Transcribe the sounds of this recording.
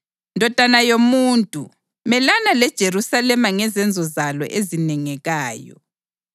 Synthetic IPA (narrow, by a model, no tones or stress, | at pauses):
ndʱɔd̥ʱanajomuːntʼṵ | mɛlanalɛd̥ʒ̥ʱeɾusalɛmaŋɛzɛnd͡zʱɔzalɔ̰ʔezinɛŋɛɣaːjɔ̰